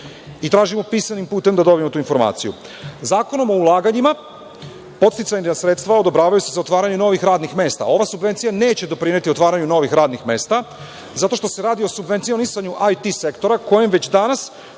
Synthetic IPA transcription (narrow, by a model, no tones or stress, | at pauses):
it̪ɾaːʒimopiːsanimpuːt̪e̞md̪ad̪o̞biemot̪uːinfo̞ɾma̰ːt̪sijṵ | zaːko̞no̞mo̞ulˠaːɡaɲima | po̞t̪st̪it̪saasɾe̞t̪st̪ʋao̞d̪o̞bɾaːʋajusezaot̪ʋaːɾaɲuno̞ʋixɾaːd̪nixme̞ːst̪a̰o̞ʋasubʋe̞nt̪sijane̞ːt͡ɕe̞d̪o̞pɾinje̞t̪io̞t̪ʋaːɾaɲuno̞ʋixɾaːd̪nixme̞ːst̪a | zat̪o̞ʃt̪o̞se̞ɾaːd̪io̞subʋe̞nt̪ijonisaɲuʔajt̪ise̞kt̪o̞ɾako̞jemʋet͡ɕd̪anas